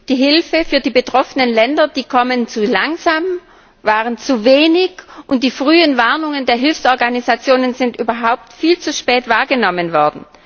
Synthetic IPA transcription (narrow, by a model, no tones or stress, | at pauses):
d̥iːɦɪlfəfyːɐdiːbətʁ̥ɔfənənlɛndɐd̥iːkʰɔmənt͡sulaŋzaːm | vaːʁənt͡suveːnɪçʔʊnt̚d̥iːfʁ̥yːənvaɐnʊŋəndeːɐɦɪlfsʔɔɐɡanizat͡sjoːnənzɪntʔyːbɐɦaʊp̚tfiːlt͡suʃpɛːtv̥aːɐɡənɔmənvɔɐdn̩